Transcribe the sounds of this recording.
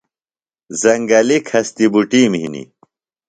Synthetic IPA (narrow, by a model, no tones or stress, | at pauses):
zɐŋɡɐlikʰhɐst̪ibuʈiːmɦinḭ